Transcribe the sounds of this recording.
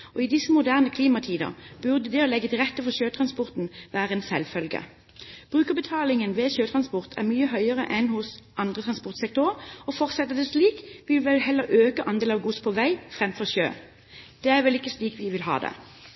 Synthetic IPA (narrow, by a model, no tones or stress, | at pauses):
ɔɪd̪ɪsːəmʊd̪æːʁnəkʰliːmɑt̪ʰiːd̪ə̰b̥ʉʁd̪əd̪ɛɔlɛɡːət̪ʰɪʁɛt̪ːəfɔʁɕøːt̪ʰʁɑnspɔʁt̪n̩ʋæːʁəɛːnsɛlfœlɡə̰ | b̥ʁʉːkəbət̪ʰɑːlɪŋənʋɛçøːt̪ʰʁɑnspɔʁt̪ʰæ̰ʁmyːəɦœʏəʁə̰ʔɛnhʊsʔɑnd̪ʁət̪ʰʁɑnspɔʁt̪sɛk̚t̪ʊʁɔfɔʁt̪sɛt̪ːəd̪ɛsliːkʋɪlʋɛlɦɛlːəɾʔøːkəʔɑnd̪eːlɑʋɡuspʰɔʋæɪfʁɛmfɔʁçø̰ː | d̪̥ɛæʋɛlɪkːəsliːkʋɪʋɪlɦɑ̰ːd̪ɛ̰